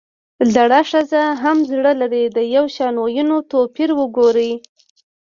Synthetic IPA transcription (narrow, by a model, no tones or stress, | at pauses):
zaɽaʂazaɦamzɽəlaɾid̪əjawʃɑnojunot̪opiɾwəɡoɾi